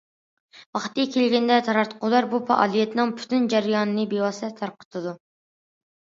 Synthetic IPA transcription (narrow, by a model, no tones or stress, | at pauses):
wɑχt̪ikʲʰelɡʲɛnd̪ɛt̪ʰɑɾɑɾt̪ʰə̥qʰʊlˠɑɾbufɑ̰ʔɑ̰ːlˠijɛt̪nɨŋpʰy̥t̪ʰynd͡ʒæɾjɑːnɨnɨbewɑsɛt̪ʰɑɾqə̥t̪ʰɨd̪u